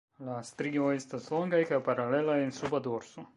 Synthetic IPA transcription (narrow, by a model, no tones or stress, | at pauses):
last̪ɾioest̪asloŋɡajkajpaɾale̞laensubad̪oɾso